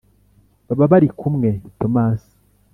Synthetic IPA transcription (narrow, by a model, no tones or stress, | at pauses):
baβaβaɾikumŋe̞to̞maːsi̥